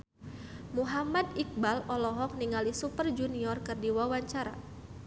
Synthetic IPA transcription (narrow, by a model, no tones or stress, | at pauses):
muɦamad̪ik̚balɔlɔɦɔk̚niŋalisupərd͡ʒuniɔrkɨrdiwawaɲt͡ʃaɾa̰